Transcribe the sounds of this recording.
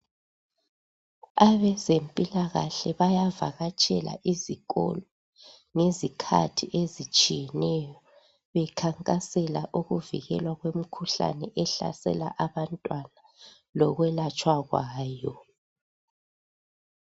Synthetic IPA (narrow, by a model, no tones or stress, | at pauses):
aβɛzempʼilaɣaɬɛβajava̰ɣat͡ʃʼʰɛ̰la̰ʔiziɣɔ̰lɔ | ŋezikʰa̰tʰiʔezit͡ʃʼijɛnɛjɔ | βɛkʰaŋkʼasɛlaʔuɣuvḭɣɛ̰lwaɣwem̩kʰuɬa̰nɛʔɛɬa̰sɛ̰la̰ʔaβantʼwana | lɔɣwɛlat͡ʃʼwaɣwaːjɔ